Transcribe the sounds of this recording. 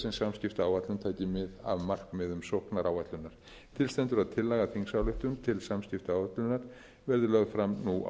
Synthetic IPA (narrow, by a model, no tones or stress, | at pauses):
sɛnsamscɪft̪aːwvat̪lʏnt̪ʰaːjcɪmɪða̰vmar̥kmɛðʏmsohknaɾʔawvat̪lʏnːaɾ̥ | t̪ʰɪlst̪ɛnt̪ʏɾaðt̪ʰɪlːaɣaθiŋksawlʏht̪ʏmt̪ʰɪlsamscɪft̪aːwvat̪lʏnːaɾ̥ | vɛɾðʏlœɣfɾamnua̰